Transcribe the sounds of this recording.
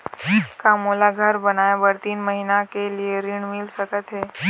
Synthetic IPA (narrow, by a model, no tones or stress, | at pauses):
kamolaɡʱəɾbənajbəɽt̪iːnməɦinakelieɾiɳmilsəkət̪ɦe